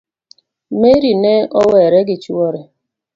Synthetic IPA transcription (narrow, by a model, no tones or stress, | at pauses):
meɾineʔɔwɛɾeɡɪt͡ʃuwɔɾe